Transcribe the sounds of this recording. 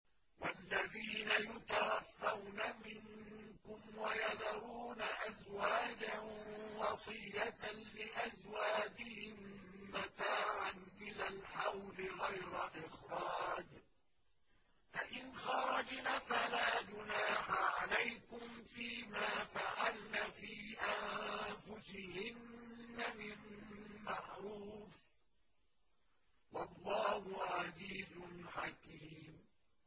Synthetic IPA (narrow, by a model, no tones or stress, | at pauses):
walːaðiːnajʊt̪awaθːawnamɪŋkʊmwajɑðɑɾˤuːnaʔazwaːd͡ʒanwɑsˤɨjːatlɪʔazwaːd͡ʒɪhɪmːat̪aːʕanʔɪnalħawlɪɣajɾaʔɪxɾɑːd͡ʒ | faʔɪnxɑɾˤɑd͡ʒnafalaːd͡ʒʊnaːħaʕalajkʊmfiːmaːfaʕalnaːfiːʔanfʊsɪhɪnːamɪnmaʕɾuːf | wɑlˤːɑːhʊʕaziːzʊnħakiːm